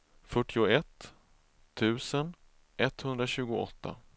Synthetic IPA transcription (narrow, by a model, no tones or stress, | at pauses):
fœʈːɪʊɛt̪ʰː | ʉ̟ːsən | ʔɛt̪ːhɵnd̪ɾaɕʉ̟ːɡʊɔ̰t̪ʰːa̰